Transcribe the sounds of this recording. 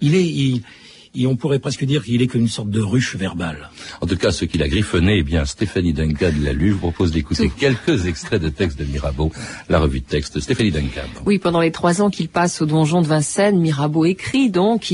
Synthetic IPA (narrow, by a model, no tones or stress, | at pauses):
ilɛi | ɔ̃puʁɛpχɛskəd̪iʁkilɛkɔmynsɔʁt̪̚d̪əʁyʃvɛʁbalɑ̃t̪ukasəkʲilaɡʁifɔneːbjɛ̃st̪efanid̪ɛ̃kad̪əla̰lyʒvupχɔpozd̪ekut̪ekʲɛlkəzɛkst̪χɛd̪ət̪ɛkst̪̚d̪əmiʁabolaʁəvyd̪ət̪ɛkst̪st̪efanid̪ɛ̃ka̰wipɑ̃d̪ɑ̃let̪χwazɑ̃kilpasod̪ɔ̃ʒɔ̃d̪əvɛ̃sɛnmiʁaboekχid̪ɔ̃k